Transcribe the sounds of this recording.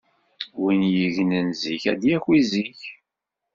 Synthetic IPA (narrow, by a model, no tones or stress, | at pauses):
winjəʝnənziçæ̰d̪jækʷːiziç